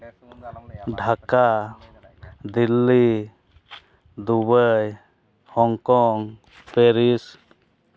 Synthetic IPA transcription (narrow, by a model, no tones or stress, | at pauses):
ɖʱaka | d̪ilːi | d̪ubəj | hɔŋkɔŋ | peɾis